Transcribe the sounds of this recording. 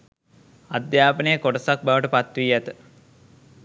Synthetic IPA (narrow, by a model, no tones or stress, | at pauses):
ad̪jaːpənəjəkoʈəsak̚baʋəʈəpat̪ʋiːæt̪ə